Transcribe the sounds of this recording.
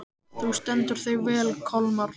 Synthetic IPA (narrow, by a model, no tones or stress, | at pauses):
θust̪ɛnt̪ʏɾ̥θejvɛːlkʰɔlmaɾ